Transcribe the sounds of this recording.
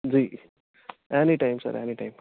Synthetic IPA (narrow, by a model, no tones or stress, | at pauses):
d͡zi | eniʈajmsə̰ɾḛniʈajm